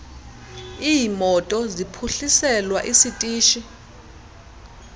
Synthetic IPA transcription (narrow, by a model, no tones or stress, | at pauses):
ijimɔtʼɔzipʰuɬisɛlwaʔisitʼiːʃi